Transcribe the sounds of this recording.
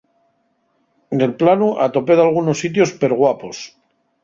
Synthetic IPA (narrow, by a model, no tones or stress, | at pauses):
d̪e̞lplanuʔat̪o̞peðalɣunosːit̪̬jo̞speɾɣ̞wapo̞s